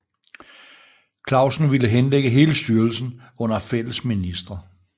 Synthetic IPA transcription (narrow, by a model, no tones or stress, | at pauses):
kʰlɑ̈ʊsn̩ʋiləɦenleɡ̥əɦe̝ːləsd̥yːɐlsn̩ | ɔ̽n̰ɐfel̰əsminisd̥ʁɐ